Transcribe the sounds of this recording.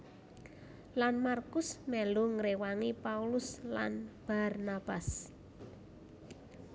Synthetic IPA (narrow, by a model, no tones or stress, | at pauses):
lanmarkʊsmɛlʊŋɾewaŋipaulʊsla̰nb̥arnab̥as